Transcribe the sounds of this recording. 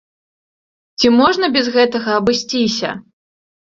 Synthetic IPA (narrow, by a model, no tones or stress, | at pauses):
t͡sʲimɔʐnɐbʲɛzɣɛt̪ɐɣɐːbɨsʲt͡sʲisʲɐ̰